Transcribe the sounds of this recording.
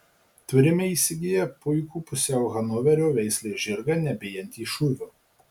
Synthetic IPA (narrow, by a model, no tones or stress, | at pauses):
t̪ʲɪɾʲɪmʲeiːsʲɪɡʲɪjɛpʊɪkuːpʊsʲɛʊɣɐnɔʋʲɛɾʲoːʋʲɛɪsʲlʲeːʒʲɪɾɡɐnʲɛbʲeːjɛnʲt̪ʲiːʃʊʋʲuː